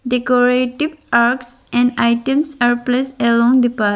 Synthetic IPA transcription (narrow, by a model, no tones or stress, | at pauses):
ɖekoɾeʈiʋaɾks | ɛ̃ɳɖaɪʈẽmsaɾpleːselɔ̃ŋd̪ipa